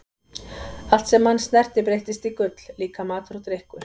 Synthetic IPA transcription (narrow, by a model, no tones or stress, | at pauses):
al̥t̪sɛmːanːst̪nɛr̥t̪ɪpɾejht̪ɪst̪ikʏt̪l̥liːkamaːt̪ɾut̪ɾehkʏ